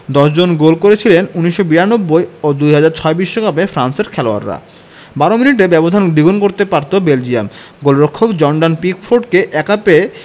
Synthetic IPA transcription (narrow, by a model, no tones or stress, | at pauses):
d̪ɔʃd͡ʑonɡolkoɾet͡ɕʰilenuniʃːobiɾanobːojod̪ujɦad͡ʑaɾt͡ɕʰɔebiʃːokapefɾanseɾkʰɛloa̰ɾːa̰ | baɾominiʈebɛbod̪ʱand̪iɡonkoɾt̪epaɾt̪obeld͡ʑiam | ɡolɾokʰːokd͡ʑɔɳɖanpikfʰoɾɖkeʔɛkape